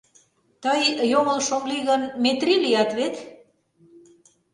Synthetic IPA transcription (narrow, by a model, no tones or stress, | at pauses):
t̪əjjomə̆lʃomliɣənmet̪rilijɑt̪βet̪